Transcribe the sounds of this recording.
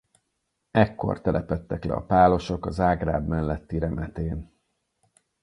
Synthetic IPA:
ɛkːo̞̰rt̪ɛlɛpɛt̪ːɛklɛ̰ɒ̰paːlo̞ʃo̞kɒzaːɡra̰ːbmɛlːɛt̪ːiɾɛmɛt̪eːn

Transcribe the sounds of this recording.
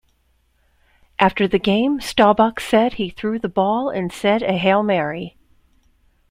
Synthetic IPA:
ʔæftə˞ðɨɡẽɪ̃mstɑbʌksɛd̚iθɹʉðəbɔlˠɨ̰̃nsɛɾɨɦeɪlˠmɛɹi

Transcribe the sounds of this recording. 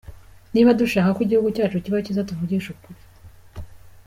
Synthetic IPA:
niːβaduʃaːkakwiɟihuɡucaːt͡ʃuciβaocizatuvuɟiʃukuɾi̥

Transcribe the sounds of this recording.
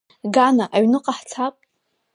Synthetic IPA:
ɡanaʔaɥnɨqʼaħt͡sʰapʼ

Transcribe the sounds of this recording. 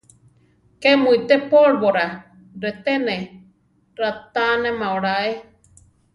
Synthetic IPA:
kemuit̪epoɺβoɾa | ɾet̪ene | ɾat̪anemãoɽae

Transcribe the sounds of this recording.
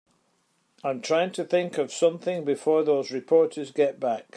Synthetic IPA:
ãɪ̃mtʰɹ̥aɪɪ̃ŋtʰəθɪ̃ŋkəv̥sʌ̃mθɪ̃ŋbɪfɔɹðozɹɪpʰɔɹʔə˞zɡɛʔb̥ak

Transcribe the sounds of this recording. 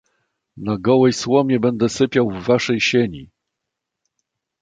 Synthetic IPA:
naɡɔwɛjswɔmʲɛbɛnd̪ɛsɘpʲjawvːaʂɛjɕeɲi

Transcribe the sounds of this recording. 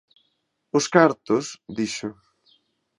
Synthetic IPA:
ʊskaɾt̪ʊsd̪iʃʊ

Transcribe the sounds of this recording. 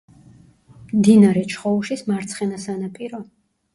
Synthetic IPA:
md̪inaɾɛt͡ʃʰχɔuʃismaɾt̪sʰχɛnasanapʼiɾɔ

